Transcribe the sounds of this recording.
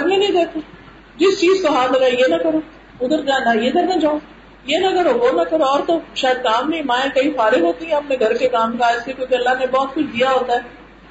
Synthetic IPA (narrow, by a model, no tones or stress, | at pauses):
ɐmnẽnɐĩd̪eːt̪eː | d͡ʒɪst͡ʃiːzkoɦaːɾlɐɡaːijenɐkɐɾoː | ʊd̪əɾd͡ʒaːnajeːd̪əɾnad͡ʒaːõ | jeːnɐkɐɾoɦonɐkɐɾoɔːɾt̪oʃaːjəd̪̚kaːmneĩmãːẽkɐifaːɾɪ̃nɦoːt̪iɦɛ̃ɦɐpnẽɡʱɐɾkekaːmkaɪsekjũːkeɐlːaɦnebɔːt̪kʊt͡ʃʰd̪ijaɦoːt̪aɦɛː